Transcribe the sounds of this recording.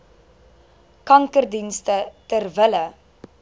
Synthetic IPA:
kɐŋkərdinstətərvələ

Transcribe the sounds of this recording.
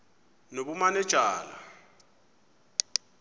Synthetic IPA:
noβumanɛd̥ʒ̥ʱaːla̰

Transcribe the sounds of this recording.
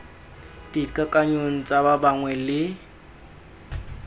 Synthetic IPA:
d̥ikʼakʼaɲoŋ̩t͡sʼababaŋwɛlɪ

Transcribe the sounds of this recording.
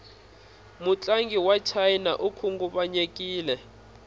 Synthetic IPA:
mut͡ɬʼaŋɡiwat͡ʃʰajnaʔukʰuŋɡuɓaɲekʼiːlɛ

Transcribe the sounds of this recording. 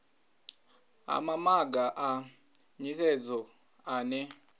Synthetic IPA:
a̰mamaɡaʔa | ɲisɛd͡zɔ | aːnɛ

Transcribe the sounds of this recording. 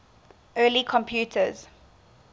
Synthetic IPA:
ʔɜːlikʰɔ̃mpʰjuːtʰəz̥

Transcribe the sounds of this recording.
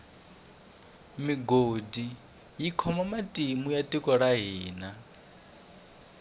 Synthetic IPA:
miɡodi | jikʰɔmamatʼimujatʼikʼɔɺaɦiːna

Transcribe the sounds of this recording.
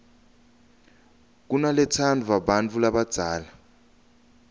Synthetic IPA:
k̬unalɛtʰandʰʱuwaɓant͡fʰulaɓad̥ʱaːla

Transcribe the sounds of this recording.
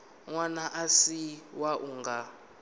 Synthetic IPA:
ŋwanaʔasiwaʔuŋɡa

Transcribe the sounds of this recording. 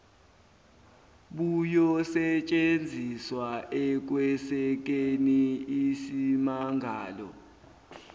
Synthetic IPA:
ɓujɔsɛt͡ʃʼend͡zʱiswaʔɛk̬wɛsɛk̬eniisimaŋʱaːlɔ̰

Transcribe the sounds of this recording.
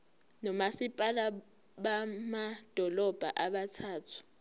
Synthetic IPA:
nɔmasipʼala | ɓamad̥ʱɔlɔb̥ʱa̰ʔaɓatʰaːtʰu̥

